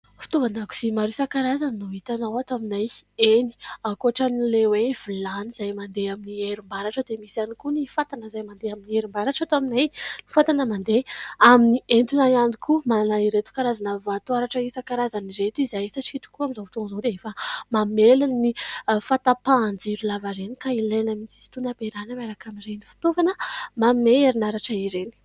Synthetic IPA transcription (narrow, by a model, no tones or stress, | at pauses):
fi̥t̪ovanaku̥z̥imaɾisakaɾazaninuit̪anawat̪aminajeni̥akoaʈ͡ʂanilewev̥ilaniz̥ajmand̪eaminieɾimbaɾaʈ͡ʂəd̪emisianikunifat̪anəzajmand̪eaminieɾimbaɾaʈ͡ʂat̪aminajni̥fat̪anəmand̪eaminient̪unajand̪ikumalanaiɾet̪u̥kaɾazanavat̪uaɾaʈ͡ʂəisakaɾazaniɾet̪uizajisaʈ͡ʂiit̪u̥kuamizat̪onzod̪eefamamelannifat̪apaːnd͡ʒiɾulavaɾenikailenəmint͡si̥si̥t̪unapeɾanəmaɾakaminɾejnifi̥t̪ovanəmameeɾinaɾaʈ͡ʂəiɾeni̥